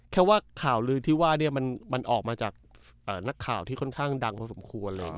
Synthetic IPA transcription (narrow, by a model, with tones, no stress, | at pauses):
kʰɛː˥˩waː˥˩kʰaː˨˩wlɯː˧t̪ʰiː˥˩waː˥˩ni˥˩ɐma˧nma˧nʔɔː˨˩k̚maː˧t͡ɕaː˨˩k̚ʔəː˨˩na˦˥kʰːaː˨˩wt̪ʰiː˥˩kʰɔ˥˩nkʰaː˥˩ŋda˧ŋpʰɔː˧so˩˦mkʰu˧ənlɤː˧ja̰˨˩ŋ˧˦˩